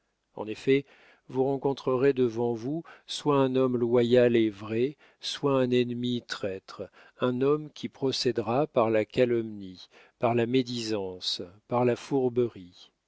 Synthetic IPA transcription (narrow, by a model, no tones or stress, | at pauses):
ɑ̰̃nefɛ | vuʁɑ̃kɔ̃t̪χəʁed̪əvɑ̃vuswaɛ̃nɔmlwajalevʁɛ | swaɛ̃nɛnmit̪χɛt̪χ | ɛ̃nɔmkʲipχɔsɛd̪ʁapaʁlakalɔmni | paʁlamed̪izɑ̃spaʁlafuʁbəʁi